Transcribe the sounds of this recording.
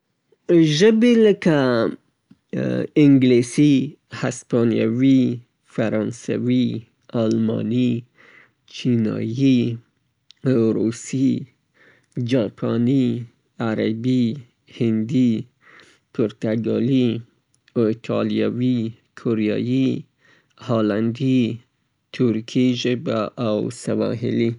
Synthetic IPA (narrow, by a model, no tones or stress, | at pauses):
ʒəbeləka | ɪŋɡlesi | haspɑnija̰wi | faɾɑnsa̰wi | ɑlmɑ̰ni | t͡ʃinɑ̰ji | ɾusi | d͡ʒɑpʰɑni | aɾabi | hɪnd̪i | pʰʊɾt̪aɡɑli | ot̪ʰɑlijawi | kʰoɾijɑ̰ji | hɑland̪i | t̪ʰʊɾkʰiʒebaʔawsawɑ̰ɦɪ̰li